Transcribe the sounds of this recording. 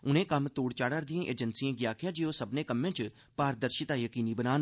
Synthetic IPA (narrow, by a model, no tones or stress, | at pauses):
ʊnẽːkəmt̪oːɽt͡ʃaːɽəɾd̪ijãːʔeːd͡ʒənsiãːɡɪjaːkʰjãːd͡ʒeːoːsəbnẽːkəmːẽːt͡ʃ | paːɾd̪əɾʃɪt̪aːjəkiːniːbənaːn